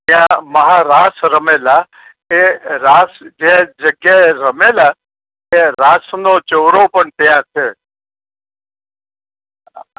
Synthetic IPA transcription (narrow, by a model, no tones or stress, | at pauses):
t̪jãməɦaːɾaːsɾəmeːla | eɾaːsd͡ʒed͡ʒəɡjeɾəmeːlaː | eɾaːsnoːt͡ʃoːɾopənt̪ɪjãːt͡ʃʰeː